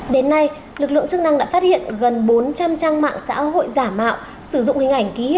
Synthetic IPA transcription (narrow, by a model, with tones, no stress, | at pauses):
ɗe˨˦nːa˧j | lɨ˨˩k̚lɨ̰˧˨ə˨ŋt͡ɕɨ˧k̚na˧ŋɗa̰ː˧˥faː˦˥t̚hḭ˧˨ənɣə˨˩nɓo˨˦nt͡ɕa˧mt͡ɕaː˧ŋma̰ː˧˨ŋsa̰ː˧˥ho̰˧˨jzaː˧˩ma̰ː˧˨w | sɨ˧˩zʊ̰˧˨ŋ͡mhï˨˩ŋ̟ʔa˧˩jŋ̟ki˨˦